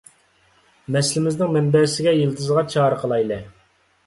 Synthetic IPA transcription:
mɛslɪmɪznɪŋmɛmbɛɾsɪɡʲɛjelˠt̪ʰɨzʁɑt͡ʃʰɑːɾəqʰəlˠɑjlˠɛ

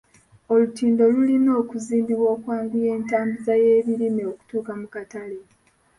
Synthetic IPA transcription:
o̞lutiːndo̞lulino̞ːkuziːmbiβwo̞ːkwaːmɡuje̞ːntaːmbizaje̞ːβiɾimeoku̥tuːkamukatale

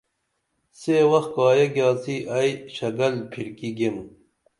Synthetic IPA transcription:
seːwɐxkɑːjɐɡjɑːsiʔɐjɕɐɡɐlpʰiɾkiɡem

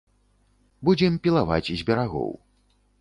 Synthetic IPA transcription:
bud͡zʲɛmpʲilˠava̰t͡sʲizʲbʲɛɾaɣɔ̰w

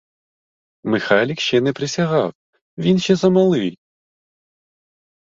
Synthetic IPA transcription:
mɨxalʲikɕɛnɛpɾɪsʲaɣaw | vʲinɕɛzɐmɐlˠɨj

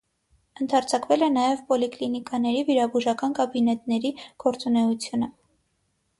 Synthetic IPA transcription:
ənt̪ʰɑɾt͡sʰɑkvɛlɛnɑjɛvpɔliklinikɑnɛɾiviɾɑbuʒɑkɑnkɑbinɛt̪nɛɾiɡ̥ɔɾt͡sunɛut͡sʰjunə

